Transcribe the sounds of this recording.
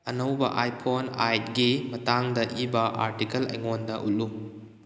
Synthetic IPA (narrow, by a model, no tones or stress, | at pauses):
ɐnɐwbɐʔajpʰonajt̚ɡimɐtaŋdɐʔibɐʔa̰ɾtikɐlɐ̰jŋondɐʔṵlu